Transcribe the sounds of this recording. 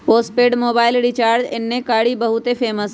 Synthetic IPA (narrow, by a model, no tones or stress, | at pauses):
poːspeːɖmoːbaːɪlɖiːt͡ʃaːɾd͡ʒɪnːẽkaːɽibɐɦʊt̪epʰeːməs